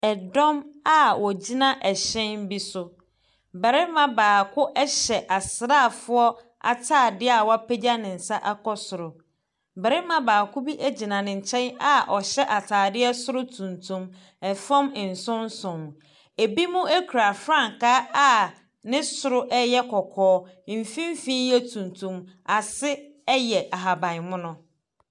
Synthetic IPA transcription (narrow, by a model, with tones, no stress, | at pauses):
ɛ˨dɔ̃˦ma˨wɔ˨d͡ʑi˦nã˦ʔɛ˨ɕɛ̃˦nbi˦sʊ˨ | bɛ˨ɾɪ˦mã˨baː˨kʰʊ˦ʔɛ˦ɕɛ˨ʔa˨sɪ˨ɾaː˦˨fʊ˦ɔ˦ | a̰˨tʰaː˦˨dɪ˦a˨wɔ˦a˦pʰe˦d͡ʑa˦nɪ̃˨n̩˨sa˦ʔa˦kɔ˦sʊ˨ɾʊ˨ | bɛ˨ɾɪ˦mã˦baː˨kʰʊ˦bi˦ʔæ˦d͡ʑi˨nã˨nɪ̃˨ɲ̩˨t͡ɕʰɛ̃˦na˨ʔɔ˨ɕɛ˦ʔa˨tʰaː˨dɪ˦ɛ˦sʊ˦ɾʊ˦tʰũ˨ntʰũ˨m | ɛ˨fã˦mɪ˨n̩˨sʊ̃˦n˦sʊ̃˨m˨ | e˨bi˦mʊ̃˦e˦kʰu˨ɾa˨fɾã˦˨ŋ˨kaː˦a˦ | nɪ̃˦sʊ˨ɾʊ˦ʔɛ˦jɛ˦kʰɔ˨kʰɔː˦˨ | fĩ˦m˦fi˦jɛ˦tʰũ˨ntʰũ˨m | a˨sɪ˦ | jɛ˨ʔa˨ɦa˨bã˨ɪ˨mʊ̃˦nʊ̃˦